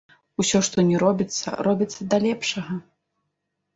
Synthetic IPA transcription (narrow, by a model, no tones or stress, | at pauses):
usʲɔʂt̪ɔnʲɛɾɔbʲit̪sːɐ̰ɾɔbʲit̪sːɐd̪ɐlʲɛpʂɐɣɐ